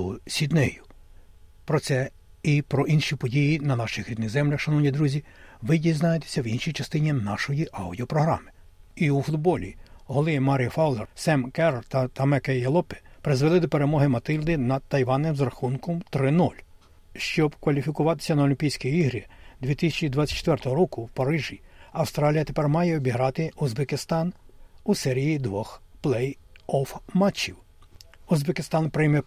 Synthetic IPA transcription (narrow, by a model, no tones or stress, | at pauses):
sʲid̪nɛjʊ | pɾɔt̪sɛ | ipɾɔʔinʃipɔdʲijinɐnɑʃɪxɾʲid̪nɪɣzɛmlʲɐxʃɐnɔwnʲid̪ɾuzʲiʋɪdʲijznɑjet̪e̥sʲɐwinʃijt͡ʃɐst̪ɪnʲinɑʃɔjiʔɑwdʲiɔpɾɔɦɾɑ̰mɪ̥ | iufʊd̪bɔlʲḭɦɔlˠɪmɑɾʲijɔfɑwlˠɛrsɛmkɛɾt̪ɐt̪ɐmɛkɛjɐlˠɔpɪ̥pɾɪzʋelˠɪd̪ɔpe̞ɾemɔɦɪmɐt̪ɪlʲd̪ɪnɐd̪̚t̪ːɐjʋɑnːɪmzɾɐxunkɔmt̪ɾɪnɔlʲ | ʃt͡ʃɔbkʋɐlʲifʲikʊʋɑt̪ɪ̥sʲɐnɐɔlʲimʲpʲijsʲkʲijiɦɾʲid̪ʲʋʲit̪isʲɛt͡ʃid̪ʋɑtt͡sʲːɐ̥tt͡ʃːt̪ʋɛrt̪ɔɦɔɾɔkʊwpɐɾɪʒiɐwst̪ɾɑlʲijɐt̪epɛrmɑjɛɔbʲiɦɾɑt̪ɪuzbekɪst̪ɑnusɛɾʲijid̪ʋɔxplˠɛj | ɔfmɑt͡ʃːiw | uzbekɪst̪ɑnpɾɪjmɛ